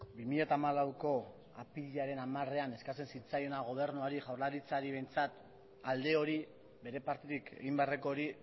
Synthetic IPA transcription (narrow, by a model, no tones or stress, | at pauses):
bimiʎat̪aːmalawko̞ | apiʎaɾe̞namare̞ane̞skat͡se̞nsit͡sajo̞naɣ̞o̞β̞e̞ɾnuaɾiʝawɾlaɾit͡saɾiβe̞jnt͡sat̪ | ald̪e̞o̞ɾi | be̞ɾe̞paɾt̪iðike̞̰ɣimbeareko̞ːɾi